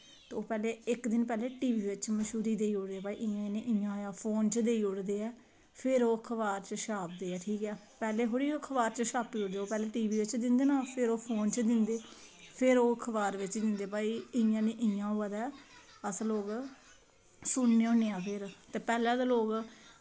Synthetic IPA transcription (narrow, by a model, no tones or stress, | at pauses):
t̪eːoːpɛːleːɪkd̪ɪnpɛːleːʈiːʋiːʋɪt͡ʃməʃuːɾiːd̪eːiːʊɽd̪eːɛːpaːḭʔɪjãːnẽːʔɪjãːjaːpʰoːnt͡ʃd̪eːiːʊɽd̪eːɛː | pʰɪɾoːkʰəʋaːɾt͡ʃəʃaːp̚d̪eːɛːʈʰiːkɛː | pɛːleːɦoːɽiːokʰəʋaːɾt͡ʃəʃaːpiːʊɽd̪eːoːpɛːleːʈiːʋiːʋɪt͡ʃd̪ɪnd̪eːnãːpʰɪɾoːpʰoːnt͡ʃd̪ɪnd̪eː | pʰɪɾoːkʰəʋaːɾʋɪt͡ʃd̪ɪnd̪eːpaːiːɪjãːnẽːʔɪ̃jãːoad̪ɛː | əsloːɡ | sʊɳneːõːneːaːpʰɪɾt̪eːpɛːlɛ̃ːd̪aːloːɡ